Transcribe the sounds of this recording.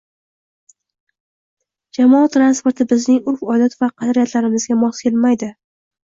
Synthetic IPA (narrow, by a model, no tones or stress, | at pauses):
d͡ʒamɒːt̪ʰɾanspoɾt̪ʰɪbɪznɪŋʊɾfɒjlat̪vaqʰɑd̪ɾijat̪ʰlaɾɪmɪzɡʲamɒskʰʲe̞lmajd̪ɪ